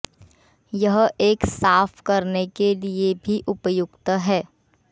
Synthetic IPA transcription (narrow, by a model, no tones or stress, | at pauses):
jɐɦeːksaːfkɐɾnekeliebʱiʔʊpjʊɡt̪ɦɛː